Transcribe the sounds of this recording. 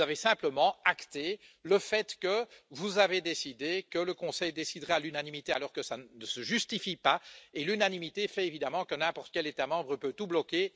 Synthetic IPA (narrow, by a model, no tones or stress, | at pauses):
avesɛ̃pləmɑ̃akt̪e | ləfɛt̪kəvuzaved̪esid̪ekələkɔ̃sɛjd̪esid̪ʁalynanimit̪ealɔʁkəsannəsəʒyst̪ifipaelynanimit̪efɛevid̪amɑ̃kənɛ̃pɔʁt̪ə̥kʲɛlet̪amɑ̃bʁəpøt̪ublɔkʲe